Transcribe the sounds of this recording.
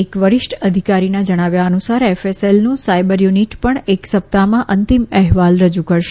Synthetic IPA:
ekʋəɾɪʃʈəd̪ʱikaɾinad͡ʒəɽ̃aʋjaənusaɾɛfeselnũsajbəɾjuniʈpəɳeksəp̚t̪amãʔənt̪imɛɦʋalɾəd͡ʒukəɾʃ

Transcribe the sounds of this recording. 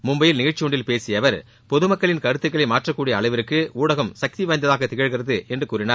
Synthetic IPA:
mʊmbɐjɪlnɪɣɐɻt͡ʃːɪɔɳɖɪlpeːsɪjɐʋɐɾ | pɔðɯmɐkːɐɭɪnkɐɾɯt̪ːɯkːɐɭɐɪmaːʈrɐkːuːɽɪjɐːɭɐɪʋɐɾɯkːɯuːɽɐɣɐmsɐk̚t̪iʋɐːɐnd̪ɐðaːɣɐt̪ɪɣɐɻɣɪrɐðɯɛndrɯkuːɾɪnaːɾ

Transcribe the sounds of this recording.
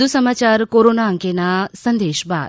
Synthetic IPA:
usəmaːt͡ɕaːɾkoɾoːnaəŋkenasənd̪eːʃba̰ː

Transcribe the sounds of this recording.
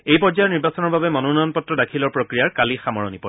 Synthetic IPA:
ejpɔɹzajɔniɹbasɔnɔɹbabɛmɔnunɔjɔnpɔtɹɔdakʰilɔɹpɹokɹijaɹkalixamɔɹɔ̰nipɔ

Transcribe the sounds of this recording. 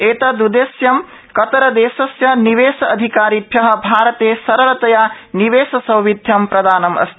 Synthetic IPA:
eːt̪ɐd̪ud̪eːsjɐm | kɐt̪ɐɾɐd̪eːsɐsjɐniʋeːsɐɐd̪ʱikaːɾib̪ʱjɐɦɐ̆bʱaːɾɐt̪eːsɐɾɐlɐt̪ɐjaniʋeːsɐsɐwʋid̪ʱjɐmpɾɐd̪aːnɐmɐ̰st̪i

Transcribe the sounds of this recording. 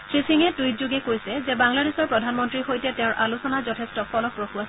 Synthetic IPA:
sʰɹisiŋɛtujzuɡɛkojsɛzɛbaŋladesɔɹpɹɔdʱanmɔntɹixojtɛtɛ̃ʊ̃ɹʔalusɔnazɔtʰɛstɔpʰɔlɔk̚pɹoxuas

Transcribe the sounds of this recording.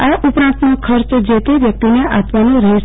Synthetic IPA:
aʔʊpɾãnt̪nõkʰəɾt͡ʃd͡ʒet̪eʋjək̚t̪ineʔapʋanõɾəɦe

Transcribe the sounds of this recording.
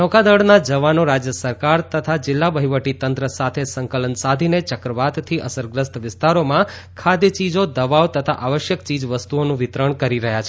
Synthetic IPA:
nɔkad̪əɽnad͡ʒəʋanoɾad͡ʒjəsəɾkaɾt̪ət̪ʰad͡ʒɪlːabəɦiʋəʈit̪ənt̪ɾəsat̪ʰesəŋkələnsad̪ʱinet͡ʃəkɾəʋat̪t̪ʰiʔəsəɾɡɾəst̪ʋɪst̪aɾomã | kʰad̪jət͡ʃid͡ʒod̪əʋaʋt̪ət̪ʰaʔaʋəʃjəkt͡ʃid͡ʒʋəst̪uonũʋɪt̪ɾəɳkəɾiɾəɦjat͡ʃʰe

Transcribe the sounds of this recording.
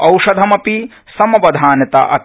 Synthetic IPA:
ɐwʂɐd̪ʱɐmɐpi | sɐmɐʋɐd̪ʱaːnɐt̪ɐ̰ʔɐ̰t̪

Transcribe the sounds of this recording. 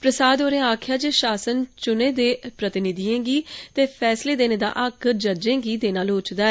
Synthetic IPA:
pɾəsaːd̪oːɾẽːaːkʰjaːd͡ʒeʃaːsənt͡ʃʊneːd̪eːpɾət̪ɪnɪd̪iẽːɡiːt̪eːpʰɛːsleːd̪eːneːd̪a̰ːʔəkd͡ʒəd͡ʒẽːɡiːd̪eːnaːloːt͡ʃd̪aːɛː

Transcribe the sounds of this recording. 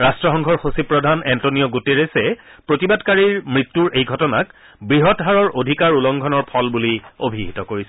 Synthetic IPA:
ɹastɹɔxɔŋɡʱʰɔɹxosipɹɔdʱanɛntoniɔɡuteɹesɛpɹotibadkaɹiɹmɹitːuɹʔejɡʱɔtɔnak | bɹiɦɔtɦaɹɔɹʔodʱikaɹulɔŋɡʱɔnɔɹpʰɔlbuliobʱiɦitɔkoɹisɛ

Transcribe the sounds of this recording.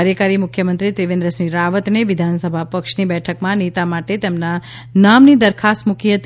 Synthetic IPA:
ɾjəkaɾimʊkʰjəmənt̪ɾit̪ɾiʋẽnd̪ɾəsɾiɾaʋət̪neʋɪd̪ʱansəbʱapəkʃnibɛʈʰəkmãnit̪amaʈet̪emna | namnid̪əɾkʰast̪mukiɦət̪

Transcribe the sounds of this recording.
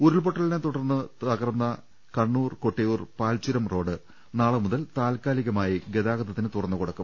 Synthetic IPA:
uɾilpoʈːɐlinet̪uɽɐrnːɨt̪ɐɣɐrnːɐ | kɐɳːuːrko̞ʈːɐjuːrpaːlt͡ɕuɾɐmro̞ːɖɨ | naːɭɨmuðɐlt̪aːlkaːliɣɐmaːjiɡe̞ðaːɣɐd̪ɐt̪ːinɨt̪urɐnːukuɽɐkːum

